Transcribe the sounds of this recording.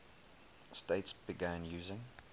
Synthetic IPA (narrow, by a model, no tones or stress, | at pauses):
steɪtsb̥iɡæ̃njʉːzɪ̃ŋ